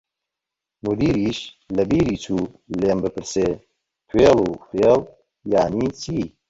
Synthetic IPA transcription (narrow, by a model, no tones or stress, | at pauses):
mud̪iːɾiːʃ | lɐbiːɾiːt͡ʃuː | leːmbɨpɨɾseː | t̪ʰweːluːfeːl | jaːniːt͡ʃʰiː